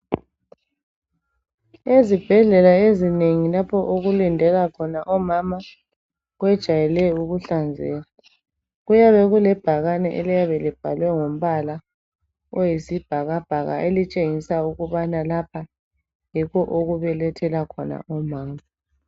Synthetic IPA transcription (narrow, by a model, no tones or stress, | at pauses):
ezib̥ʱɛɮɛlaezineŋilapʰɔʔoɣulindʱɛlakʰɔnaʔɔmama | ɣwɛd̥ʒ̥ʱajɛlɛuɣuɬand͡zʱɛ̰ːa | ɣujaβɛɣulɛb̥ʱaɣanɛʔɛ̰lijaβɛlib̥ʱalwɛŋom̩βala | ɔjisib̥ʱaɣab̥ʱaɣa̰ʔelit͡ʃʼeŋisauɣuβanalapʰa | jikʰɔʔoɣuβɛlɛtʰɛlakʰɔna̰ɔmaːma